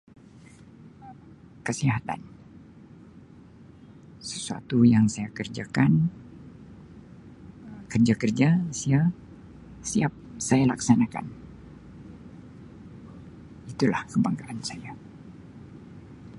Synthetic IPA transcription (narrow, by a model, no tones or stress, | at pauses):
əm | kəsiɦat̪a̰n | sə̥sua̰t̪ujaŋsajakərd͡ʒakan | əmkərd͡ʒakərd͡ʒasia | siap̚sajalaksanaka̰n | it̪ula̰hkəbaŋkalansaja